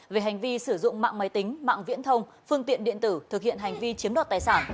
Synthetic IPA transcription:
ve˨˩ɦa˨˩jŋ̟vi˧sɨ˧˩zʊ̰˧˨ŋ͡mma̰ː˧˨ŋmaː˨˦jt̪ï˨˦ŋ̟ma̰ː˧˨ŋvḭ˧˥ənt̪ʰə˧wŋ͡m | fɨ˧əŋt̪ḭ˧˨ənɗḭ˧˨ənt̪ɨ˧˩t̪ʰɨ˨˩k̚hḭ˧˨ənɦa˨˩jŋ̟vi˧t͡ɕi˨˦əmɗa˨˩t̪̚aː˨˩jsaː˧˩n

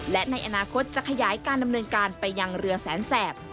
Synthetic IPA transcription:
lɛ˦˥ʔna˧jʔa˧naː˧kʰo˦˥t̪̚t͡ɕa˨˩kʰa˧jaː˩˦jkaː˧nda˧mnɤː˧nkaː˧npa˧jːa˧ŋɾɯ˧əɐsɛː˩˦nsɛː˨˩p̚

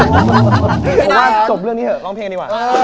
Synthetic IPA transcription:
pʰwaː˥˩t͡ɕo˨˩p̚lɯ˥˩ŋniː˦˥həː˨˩lɔː˧˥ŋpʰe˧iː˧˩waː˨˩

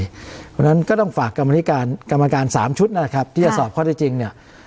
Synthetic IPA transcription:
kʰo˧na˦˥nkɔː˥˩t̪ɔ˥˩ŋfaː˨˩kːa˧mːa˧t̪ʰi˦˥kaː˧nka˧mːa˧kaː˧nsaː˩˦mt͡ɕʰu˦˥t̪̚na˦˥˩kʰa˦˥p̚t̪ʰiː˥˩t͡ɕa˧˩sɔː˨˩p̚kʰɔː˥˩ɾʰa˧˥˩t͡ɕi˧ŋni˥˩ɐ

